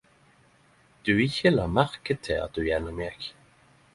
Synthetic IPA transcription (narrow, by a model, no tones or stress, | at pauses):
d̪̥ʉːɪçəlɑːmæʁkət̪ʰːɪlɑ̰t̪̚d̪ʉjɛnʊmɛɡ